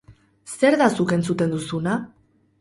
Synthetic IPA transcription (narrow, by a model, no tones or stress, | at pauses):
se̞ɾðasuke̞nt͡sut̪e̞nd̪usuna